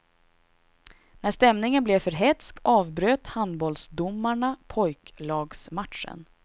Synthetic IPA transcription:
næʂt̪ɛmnɪŋənblɛfœɾɦɛt̪skɑːvbɾøːt̪hand̪bɔlsd̪ʊmːaɳapʰɔjklɑːɡsmat̪ʂə̰n

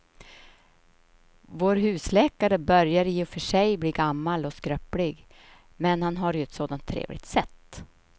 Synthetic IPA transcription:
voːɾɦʉ̟ːslɛːkaɾəbœɾjaɾɪːɔfœʂɛjbliːɡamːalɔskɾœplɪɡ | mɛnhanɦaɾjɵɛt̪soːd̪ant̪ʰːɾḛːvlɪ̰ɡ̚t̪sɛt̪ː

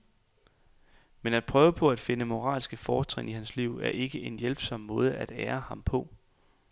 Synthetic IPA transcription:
menæd̥̚pʰʁœːʊəpʰɒ̽æd̥fe̝nəmo̝ʁɑ̰̈ːlsɡ̥əfɒːt͡sʰʁeŋihænsliʊ̰æɐʔe̝ɡ̥əe̝njelb̥sɒ̽m̰ːɔ̽ːð̞ˠəæd̥eːɐhɑ̈mpʰɒ̽

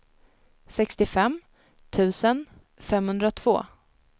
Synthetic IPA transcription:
sɛkst̪ɪfɛmː | t̪ʰʉ̟ːsən | fɛmhɵnd̪ɾat̪ʰv̥o̰ː

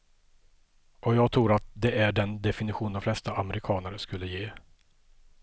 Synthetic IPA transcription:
ʔɔjɑːɡ̚t̪ʰɾuːɾat̪̚d̪ɛʔæɖɛnd̪ɛfɪnɪɧuːnd̪ɔmflɛst̪aʔamɛɾɪkʰɑːnəɾəskɵlːəjeː

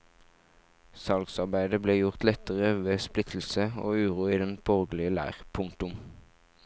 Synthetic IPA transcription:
sɑlɡsɑʁbæɪd̪əbleːjʊʁt̪lɛt̪əʁəʋeːsplɪt̪ʰl̩səo̰ːʉːʁuːiːd̪ɛnbɔʁɡlɪəlæ̰ːʁpʰʊŋt̪ʊm

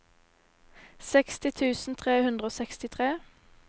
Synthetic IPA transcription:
sɛkst̪ɪt̪ʰʉːsn̩t̪ʰʁeːhʉnd̪ʁəoːsɛkst̪ɪt̪ʰʁeː

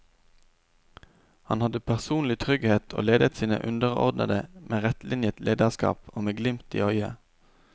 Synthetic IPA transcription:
hɑnhɑd̪əpʰæʁsuːnlɪt̪ʰʁʏɡheːt̪ʰo̰ːleːd̪ət̪siːnə̰ʔʉnd̪əʁɔ̰ʁd̪nə̰d̪əmeːʁɛt̪lɪnjət̪leːd̪əʁskɑ̰ːpoːmeːɡlɪmt̪ḭːœʏə̰

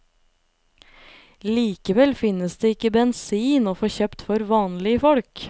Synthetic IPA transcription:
liːkəʋɛlfɪnəsd̪eːɪkəbɛnsiːnoːfoːçøːpt̪fɔɾʋɑːnlɪəfɔɽk

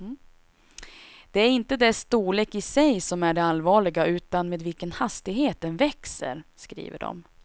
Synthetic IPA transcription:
d̪̥ɛæɾɪnt̪əd̪ɛst̪uːleːkɪsɛjsɔmæɖɛalvɑːɭɪɡaʉ̟ːt̪anmeːd̪vɪlkənhast̪ɪɡɦeːt̪̚d̪ɛnvɛksə̰ɾskɾḭːvə̰ɖɔ̰m

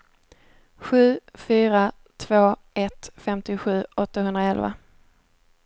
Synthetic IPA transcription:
ɧʉ̟ːfyːɾa | t̪ʰv̥oːʔɛt̪fɛmt̪ɪɧʉ̟ːɔt̪ːaɦɵnd̪ɾaɛlva̰

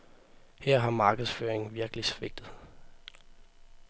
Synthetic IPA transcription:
hæɐ̰ɦɑ̈mɑ̈ːɡ̥əðˠsføːɐeŋn̩ʋiɐɡ̥əlisʋe̝ɡ̥̚d̥ð̩ˠ

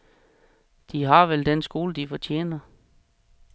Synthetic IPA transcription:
d̥iɦɑ̈ʋeld̥ensɡ̥o̝ːləd̥ifɒt͡ɕʰḛːnɐ

